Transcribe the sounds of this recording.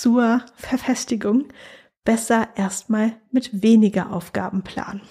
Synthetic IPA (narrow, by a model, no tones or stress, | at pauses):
t͡suːɐfɛɐfɛstɪɡʊŋ | b̥ɛsɐʔeːɐstmaːlmɪtveːnɪɡɐʔa̰ʊfɡ̥a̰ːbm̩pl̥a̰ːn